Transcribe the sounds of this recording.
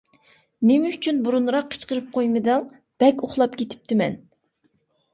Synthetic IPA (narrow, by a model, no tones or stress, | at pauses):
nɪmɛyt͡ʃʰynbuɾunɾɑqʰːə̥t͡ʃqəɾɨp̚qʰojmɨd̪ɛŋ | b̥ɛkʲoχlˠɑpkʲet̪ʰɪ̥p̚t̪ʰɪmɛ̰n